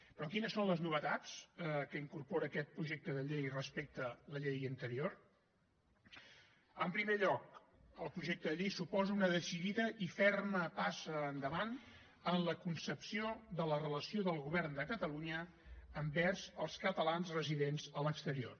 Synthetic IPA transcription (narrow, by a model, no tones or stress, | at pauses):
pɾɔkinəsːonləznuβət̪at͡skəiŋkurpoɾəːkɛt̪̚pɾuʒek̚t̪əðəʎejrəspek̚t̪ələʎejənt̪əɾior | əmpɾimeʎɔk̚ | əlˠpɾuʒek̚t̪əðəʎejsupɔzəunəðəsiðiðəʔifɛrməpasəːnd̪əβan | ənləkunsəpsioðələrələsioðəlˠɣuβɛrnd̪əkət̪əluɲəː | mbɛrzəlˠskət̪əlanzrəziðenzələkst̪əɾio̰r